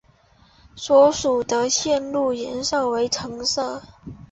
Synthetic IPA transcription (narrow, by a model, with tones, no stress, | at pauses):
swɔ˧˥ʂu˨˩d̪ə˦ɕjɛ˥˧nlu˥˩jɛ˧˥nʂo˥˩ʊwe˧˥ɪʈ͡ʂʰɤ˧˥ŋsɤ˥˩